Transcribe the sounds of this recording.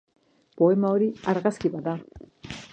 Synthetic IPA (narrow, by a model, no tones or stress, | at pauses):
po̞e̞mao̞ɾiaɾɣaskiβaða